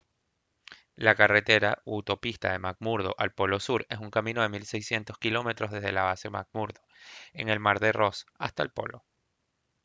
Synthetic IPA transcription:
lakare̞t̪e̞ɾaut̪o̞pist̪aðe̞maɡmuɾðo̞̰ʔalpo̞lo̞suɾe̞s̬uŋkamĩno̞ðe̞milsejsje̞nt̪o̞skilo̞me̞t̪ɾo̞zðe̞zðe̞laβase̞ma̰ɡ̚muɾðoe̞ŋe̞lmaɾðero̞sa̰st̪aelpo̞̰lo̞̰

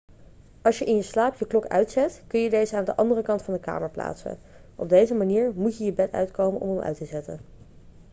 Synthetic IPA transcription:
ʔɑlˠʃjəʔɪnjəslaːpjəklɔkœ̰ɥtsɛtkɵnjədejzəaːndəʔɑndərəkɑntfɑndəka̰ːməɹpla̰ːtsə̰n | ʔɔ̰b̚dejzəmaniːɹmutjəjəbɛtœ̰ɥtkowmənʔɔ̰məmʔœ̰ɥtəzɛtə̰n

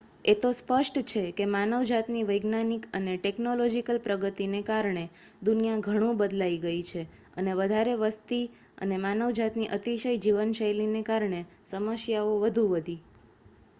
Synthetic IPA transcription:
et̪ospəʃʈt͡ʃʰekemanəʋd͡ʒat̪niʋəjɡnanikəneʈeknolod͡ʒikəlpɾəɡət̪inekaɾɳ̃e | d̪unijaɡʱəɽ̃ũbəd̪laiɡəit͡ʃʰe | əneʋəd̪ʱaɾeʋəst̪i | ə̰nemanəʋd͡ʒat̪niʔət̪iʃəjd͡ʒiʋənʃəjlinekaɾɳe | səməsjaoʋəd̪ʱũʋəd̪ʱi

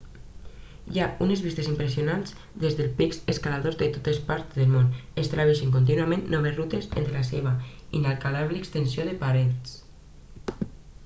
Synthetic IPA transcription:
jaunezβist̪esimpɾesijonanz | d̪ezðelpikseskalaðozðet̪ot̪espaɾðelmonest̪ɾaβeʃeŋk̬ont̪̬inuamẽnːɔβ̞ezrut̪ezḛnt̪ɾelaseβ̞aḭnalˠkalaβlekst̪ensjoðepaɾet͡s

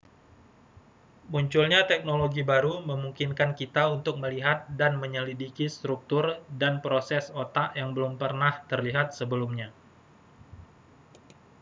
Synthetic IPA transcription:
muɲt͡ʃʊlɲat̪ɛk̚noloɡibaɾuməmuŋkinkankit̪aunt̪ʊk̚məliɦat̪̚danməɲəlidikist̪ɾuk̚t̪ʊrdanpɾosɛsot̪aʔjaŋbəlʊmpərnaht̪ərliɦat̪̚səbəlumɲa

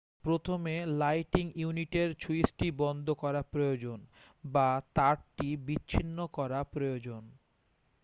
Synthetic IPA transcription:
pɾot̪ʰomelajʈiŋjuniʈeɾt͡ɕuisʈibɔnd̪ʱokɔɾapɾojod͡ʑon | bat̪aɾʈibitːɕʰinːokɔɾapɾojod͡ʑon

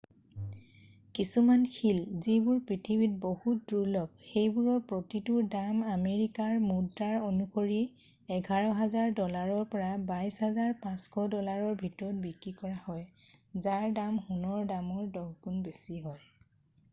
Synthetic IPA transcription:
kisumankʰilzibʊɹpɹitʰibit̚bohut̚duɹlɔb̚xejbuɹɔɹpɹotitʊdamameɹikaɹmudaɹonukoɹi | ɛɡʱaɹɔɦazaɹdɔlaɹɔɹpɔɹabajshazaɹpãskʰɔdɔlaɹɔɹbʱitɔɹɔt̚bikɹikɔɹahɔj | zaɹdamhunɔɹdamɔɹdɔɡkunbesiɦɔj

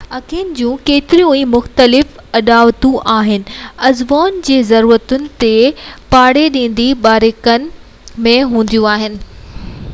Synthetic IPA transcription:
ɐkʰind͡ʑũːkeːt̪ɪɾijũiːmʊxt̪əlɪfɐɗaːʋt̪ũʔaːɦɪnɪ̆ɐzʋaːnd͡ʑeːzɐɾuːɾət̪ʊnɪ̆t̪epaːɽeɗĩːn̆d̪iɓaːɾɪkənɪ̆ | mẽɦũːn̆d̪ijũaːɦɪnɪ̆

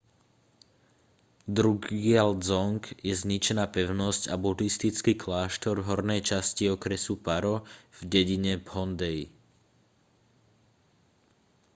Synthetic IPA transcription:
d̪ɾuɡɪald͡zɔŋkjɛzɲit͡ʃɛnaːpɛʊnɔscabudist̪it͡skiːklaːʃt̪ɔɾvɦɔɾnɛjt͡ʃasciɔkɾɛsupaɾɔv̥ɟɛɟiɲɛbhɔnd̪ɛj

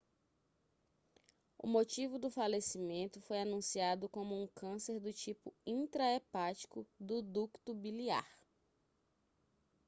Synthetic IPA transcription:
ʊ̰mot͡ʃivʊd̪ʊfalesimẽnt̪ʊfojanũsiad̪ʊkõmʊũkɐ̃seɾd̪ʊt͡ʃipʊĩt̪ɾaepat͡ʃi̥kʊd̪ʊd̪ukt̪ʊbilia̰ɾ

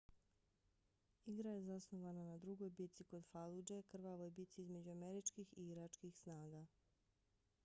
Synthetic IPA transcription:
iɡɾaje̞zasnoʋananad̪ɾuɡo̞jbit̪siko̞d̪falud͡ʒekr̩ʋaʋojebit̪siizme̞d͡ʑuameɾit͡ʃkixḭiɾat͡ʃkixsnaːɡa

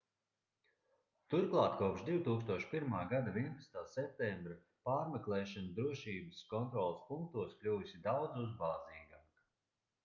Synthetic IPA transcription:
t̪uɾklˠaːt̪kuɔpʃd̪iwt̪uːkst̪uɔʃpiɾmaːɡad̪aviɛnpasnt̪aːsɛp̚t̪ɛmbɾa | paːɾmɛklˠɛːʃand̪ɾuɔʃiːbəskɔnt̪ɾɔlˠspuŋk̚t̪uɔsklʲuːsʲid̪awd̪zuzbaːzniːɡaːk

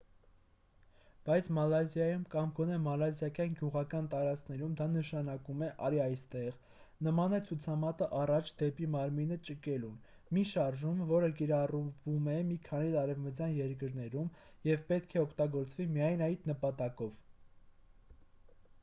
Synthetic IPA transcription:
b̥ɑjt͡sʰmɑlɑzjɑjumkɑmɡɔnɛmɑlɑzjɑkjɑnɡjuʁɑkɑnt̪ɑɾɑt͡skʰnɛɾumd̪ɑnəʃɑnɑkumɛʔɑɾiɑjst̪ɛʁ | nəmɑnɛt͡sʰut͡sʰɑmɑt̪əʔɑrɑt͡ʃʰd̪ɛpimɑɾminət͡ʃəkɛlun | miʃɑɾʒumvɔɾək̬iɾɑruvumɛmikʰɑniɑɾɛvmət͡sjɑnjɛɾk̬əɾnɛɾum | jɛvpɛt̪̚kʰɛɔkʰt̪ɑɡɔɾt͡svimiɑjnɑjt̪nəpɑt̪ɑkɔv

